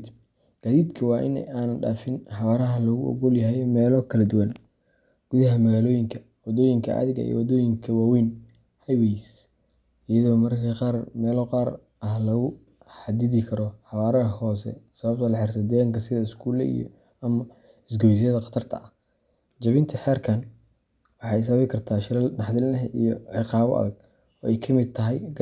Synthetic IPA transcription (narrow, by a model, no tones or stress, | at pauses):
ɡ̥aːðiːd̪kʰɐwɑːʔɪ̰nɛ̰aːnɐnɖa̰ːfɪnħɑβaːɾɐɦɐlɔɣʊʔɔ̰ɣɔljɐɦɛjmɛːlɔkʰɐlɐd̪ʊwɐn | ɡ̥uðɐɦɐmɐɣaːlɔːjɪŋkʰɐ | wɑd̪ɔːjɪŋkʰɐ̰ʔɐ̰ðɪɣɐ̰ḭjɔ̰wɑd̪ɔːjɪŋkʰɐwaːwiːn | hɐwɛjs | ɪjɐðɔːmɐrkʰiqɑːrmɛːlɔqɑːr | ɐɦlɐɣʊ | ħɑd̪ɪðɪkʰɐɾɔħɑβaːɾɐɐhɔːsɛ̰sɐβɐb̚t̪ʰɐlɐħɪrt̪ʰɐd̪ɛːɣɐŋkʰɐsɪðɐɪskʰuːlɛ̰ḭjɔ̰ | ɐmɐ | ɪsɡɔs̬ijɐðɐqɑ̥t̪ʰɐrt̪ʰɐ̰ɐh | d͡ʒɐβɪnt̪ʰɐħɛːrkʰɐn | wɑħɑːɛs̬ɐɐɪkʰɐrt̪ʰaːʃɪɾɐlnɑħd̪ɪlnɐɦʔijɔʕɪqɑːβɔ̰ʔɐ̰ðɐɡ̚ | ɔːɛjkʰɐmɪd̪̚t̪ʰɐɦɐj